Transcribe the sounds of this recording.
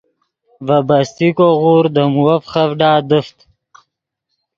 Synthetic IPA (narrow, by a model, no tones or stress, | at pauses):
vabast̪ikoʁuːɾd̪əmuwafχavɖaːd̪əft̪